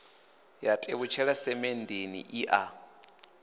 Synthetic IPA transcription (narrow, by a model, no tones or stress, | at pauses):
jatʼeβut͡ʃʰɛɺasɛmɛndʱenḭʔiʔa